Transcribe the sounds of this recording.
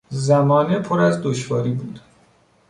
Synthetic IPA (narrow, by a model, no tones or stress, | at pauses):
zæmɒːnepʰoɾæzd̪oʃvɒːɾiːbuːd̪̥